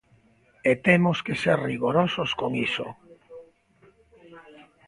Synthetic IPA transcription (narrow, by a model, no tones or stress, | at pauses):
et̪emoskeseɾriɣoɾososkoŋiso̰